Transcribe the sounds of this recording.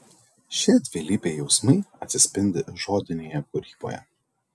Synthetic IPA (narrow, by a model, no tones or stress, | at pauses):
ʃʲɪd̪ʲʋʲɪlʲiːpʲeːjɛʊsmɐɪɐt̪ʲsʲɪsʲpʲɪnʲd̪ʲɪʒoːd̪ʲɪnʲeːjɛkʊɾʲiːbo̰ːjɛ̰